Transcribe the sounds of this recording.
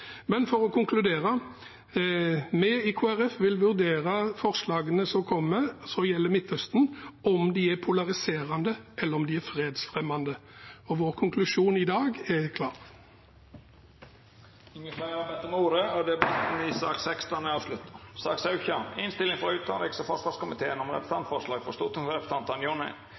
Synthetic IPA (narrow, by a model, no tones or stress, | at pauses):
mɛnfɔɾɔkʰʊŋkʰlʉd̪eːɾɑ | mɛɪkʰuːæɾɛfʋɪlʋʉʁd̪eːɾɑfɔʁslɑːɡənəsɔkʰɔmːəsɔjɛlːəmɪt̪hœst̪nɔmd̪iːæpʰʊlɑʁɪseːʁɑnd̪əʔɛlːəɾɔmd̪iːæɾfʁeːd̪sfʁɛmːɑnd̪əɔʋoːʁkʰʊŋklʉʂuːnɪd̪ɑːɡɛkʰlɑːʁ | ɪŋːəfæːɾɑbɛt̪ːəmuːɾəɔd̪ɛbɑt̪n̩ɪsɑ̰ːksɛkst̪ɑnəɑːʋslʉt̪ːɑɾsɑ̰ksɑʉçɑɪnst̪ɪlɪŋfɔɾʉːt̪ɑnlɛksɔfɔʂʋɑskʊmɪt̪ʰeːənɔmɾɛpɾəst̪ɑnt̪fɔʂlɑːɡfɔst̪uːt̪ʰɪŋfɾɛpəst̪ɑnt̪ɑnjɔnɛ̰ɪ